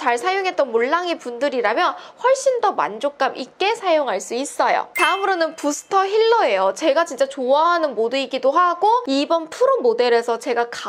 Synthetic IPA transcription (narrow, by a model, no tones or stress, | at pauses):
t͡ɕaɭsʰajoŋɦe̞t̚t͈ʌnmuɭːaŋipundɯɾiɾamjʌnɸwʌɭɕ͈indʌma̰nd͡ʑok̚k͈amik͈e̞sʰajoŋɦaɭs͈uis͈ʌjo̰taɯmɯɾonɯnpusʰɯ̥tʰʌçiɭːʌe̞jot͡ɕe̞ɡat͡ɕint͡ɕ͈at͡ɕoaɦanɯnmoduiɡidoɦaɡoibʌnpʰuɾomode̞ɾe̞sʰʌt͡ɕe̞ɡaka